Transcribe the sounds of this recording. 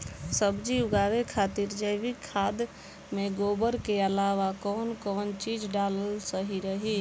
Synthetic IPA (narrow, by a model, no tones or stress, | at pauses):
səbd͡ʒiʊɡaːwekʰaːt̪iɾd͡ʒəɪbikʰːaːd̪ | mẽɡoːbəɾkeəlaːʋakɔːnkɔːnt͡ʃiːd͡ʒɖaːləlsəɦiɾəɦi